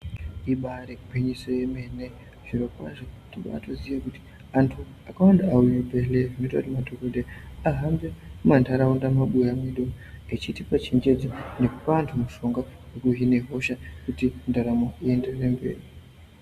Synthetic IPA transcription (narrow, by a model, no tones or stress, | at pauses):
iɓaɾekupeɲisojemene | ʐ̥iɾo̞kwa̰ʐotiɡa̰ːtozijakuti̥ | antʰu | akawandaːujubeleʐinota̰timatʰokodeaɦambemantʰaɾaundamaɓujamiɗo | et͡ʃitipat͡ʃiɲd͡ʒe̞d͡zine̞kupantʰumuʃo̞ŋɡawekuɦine̞ɦo̞ʃakutindaɾamoie̞nderembe̞̰ːri